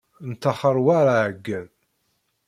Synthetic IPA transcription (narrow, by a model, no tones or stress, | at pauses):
nt̪ːəχəɾˤwaɾaʕəɡːəð